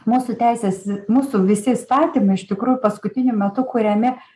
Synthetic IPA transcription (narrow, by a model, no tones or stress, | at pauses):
muːsʊt̪ʲæɪsʲeːsmuːsʊʋʲɪsʲɪist̪ɑːt̪ʲiːmɐɪɪʃt̪ʲɪkɾuːjʊpɐskʊt̪ʲɪnʲʊmʲɛt̪ʊkʊɾʲɛmʲɪ